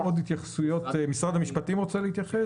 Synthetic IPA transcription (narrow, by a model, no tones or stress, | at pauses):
od̪hit̪jaχsujo̞tmisʁad̪hamiʃpatimʁot͡seleit̪jaχe